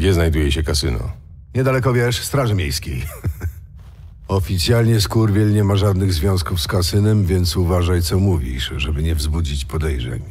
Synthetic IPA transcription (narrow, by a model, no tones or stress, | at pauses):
ɡd͡ʑɛznajd̪ujɛɕɛkasɘ̰nɔ̰ | ɲɛd̪alɛkɔvʲjɛʂst̪ɾaʐɘmʲjejskʲej | ɔfʲit̪sʲjalɲɛskuɾvʲjilɲɛmaʐad̪nɘɣzvʲjɔ̃w̃skufskasɘnɛmvʲjɛnt̪suvaʐajt̪sɔmuvʲḭʂʐɛbɘɲɛvzbud͡ʑit͡ɕpɔd̪ɛjʐɛ̰ɲ